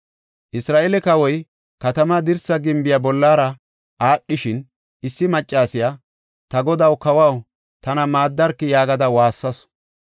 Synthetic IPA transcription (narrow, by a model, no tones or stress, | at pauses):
ʔɪsɾaːʔɛlɛkɐwɔj | kɐt̪ɐmad̪ɪɾsɐɡɪmbɪjabɔlːaːɾɐ | ʔaːɗːɪʃɪn | ʔɪsːɪmɐt͡ʃʼːaːsɪja | t̪ɐɡɔd̪ɐwkɐwɐw | t̪ɐnɐmaːd̪ːɐɾkːɪjaːɡɐd̪ɐwaːsːɐs